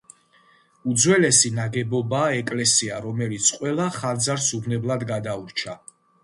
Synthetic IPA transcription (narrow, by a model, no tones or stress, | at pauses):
ud̪zwɛlɛsinaɡɛbɔbaːɛkʼlɛsiaɾɔmɛlit̪sʰqʼwɛlˠaχand̪zaɾsubnɛblˠad̪ɡad̪auɾt͡ʃʰa